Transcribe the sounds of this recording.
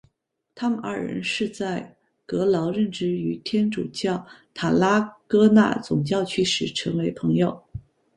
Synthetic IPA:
t̪ʰa˥mə˨nɐ˞˥˩ɻə̰˧˥nʂɻ̩˥˧t͡sa˥˩ɪ | kɤ˧˥lɑ˧˥ʊɻə˥˧nʈ͡ʂɻ̩˥y˨˩t̪ʰjɛ˥nʈ͡ʂṵ˨˩t͡ɕjɑ˥˩ʊt̪ʰa˨˩la˥kɤ˥na̰˥˩t͡sʊ˨˩ŋt͡ɕjɑ˥˧ʊt͡ɕʰy˥˩ʂɻ̩˨˩ʈ͡ʂʰɤ˧˥ŋwe˧˥ɪpʰɤ˧˥ŋjo˨˩ʊ

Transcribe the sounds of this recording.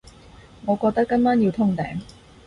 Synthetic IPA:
ŋɔː˨˧kɔː˧k̚t̪ɐ˥kːɐ˥nmaː˥nji˧wt̪ʰʊ˥ŋt̪ɛ̰ː˨˥ŋ

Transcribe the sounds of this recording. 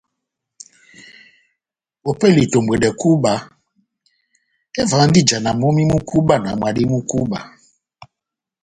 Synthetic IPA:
o˨pɛ˦˨li˨to˨mbe˨dɛ˨ku˦ba˨ | ɛ˦va˨˦n̩˦di˦d͡ʒa˨na˨mo˦mi˦mu˦ku˦ba˦˨na˨m˨a˨di˦mu˦ku˦ba˨

